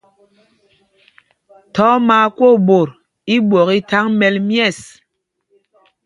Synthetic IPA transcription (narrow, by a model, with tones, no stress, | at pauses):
tɔ˨˦maː˨˦ko˦˨bo˨ɾ | i˦ɓwɔ˨ki˦ta˦ŋmɛ˨lmjɛ˦˨s